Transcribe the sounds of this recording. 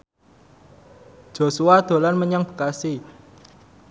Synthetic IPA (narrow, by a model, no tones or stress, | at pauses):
ʒ̥o̤suad̪̥o̤lanməɲaŋb̥ə̤̥kasi